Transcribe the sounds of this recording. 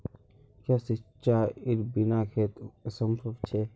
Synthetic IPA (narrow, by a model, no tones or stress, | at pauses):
kʰasit͡ʃaːiɾbinaːkʰeːt̪ɐsɐmpʰɐft͡ʃʰe